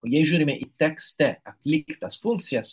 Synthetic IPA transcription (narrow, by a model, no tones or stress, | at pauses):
ojɛʒuɾimeʔit̪ːɛkst̪ɛak̪likt̪asfunt̪sjas